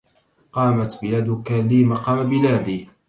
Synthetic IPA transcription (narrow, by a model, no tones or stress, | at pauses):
qɑːmat̪bɪlaːd̪ʊkalimɑqɑːmabɪlaːd̪iː